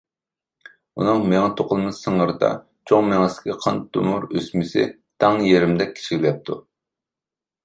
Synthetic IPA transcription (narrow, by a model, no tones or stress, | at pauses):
unɨŋmeŋɛt̪ʰoqʰʊlˠmɨsəɴəɾɨd̪ɑ̰ | t͡ʃʰoŋmeŋɛsɪ̥kʲʰiqʰɑnd̪ṵmuɾøsmɪsɪ̰ | d̪̥ɑŋjeɾɪmd̪ɛk̚ʲʰːi̥t͡ʃʰiɡʲilɛp̚t̪ʰu